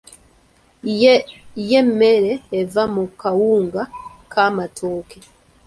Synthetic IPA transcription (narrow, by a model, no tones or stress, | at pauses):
jemeɾeːvamukawuːŋɡakʰamatʰoːke